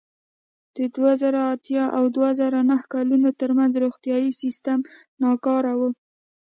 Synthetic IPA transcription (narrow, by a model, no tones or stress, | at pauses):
d̪̥əd̪wazaɾaːt̪jɑʔawd̪wazaɾanahkɑlunot̪əɾmanzɾoɣt̪jɑjisist̪am | nɑkɑɾawə